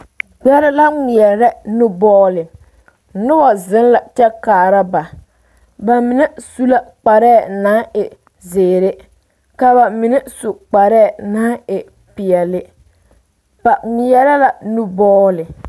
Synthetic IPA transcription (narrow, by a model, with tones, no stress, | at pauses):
ɡ͡bɛ˦ɾɪ˦la˦ŋɪ˨ɛ˨ɾɛ˦nʊ˦bɔː˦lɪ˨ | nʊ˦bɔ˨zɪ˦n˦la˨t͡ʃɛ˦kaː˨ɾa˦ba˨ | ba˨mɪ˨nɛ˦su˦la˦k͡pa˨ɾɛː˦˨na˦ɪ˨ | zɪː˨ɾɪ˦ | ka˨ba˨mɪ˨nɛ˦sʊ˨k͡pa˨ɾɛː˦˨na˨˦ɪ˨ | pɪ˨ɛ˨lɪ˦ | ba˨ŋɪ˨jɛ˦ɾɛ˦la˨nʊ˦bɔː˦lɪ˨